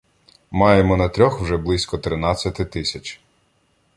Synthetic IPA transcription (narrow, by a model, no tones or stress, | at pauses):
mɑjemɔnɐt̪ɾʲɔxwʒɛblˠɪsʲkɔt̪ɾɪnɑt͡sʲːɐt̪ɪt̪ɪsʲɐt͡ʃʲ